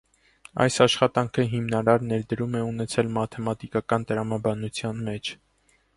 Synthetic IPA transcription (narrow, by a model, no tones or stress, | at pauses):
ɑ̰jsɑʃχɑt̪ɑŋkʰəɦimnɑɾɑɾnɛɾd̪əɾumɛunɛt͡sʰɛlmɑt̪ʰɛmɑt̪ikɑkɑnt̪əɾɑmɑbɑnut͡sʰjɑnmɛt͡ʃʰ